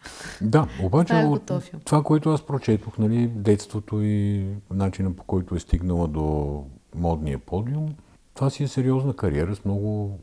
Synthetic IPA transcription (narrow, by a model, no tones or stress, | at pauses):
d̪aobat͡ʃɛoːovakoɛt̪ʊaspɾot͡ʃɛt̪oxnɐlid̪ɛt̪st̪vot̪oinat͡ʃinəpo̥kɔjt̪ʊɛst̪iɡnəlˠəd̪o | mɔd̪niəpʰɔd̪iʊm | t̪ovasiɛsɛɾiɔznəkɐɾḭɛɾəsmnɔɡʊ